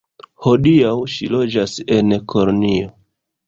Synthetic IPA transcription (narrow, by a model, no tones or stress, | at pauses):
ho̞diawʃilo̞d͡ʒase̞nkʰolonio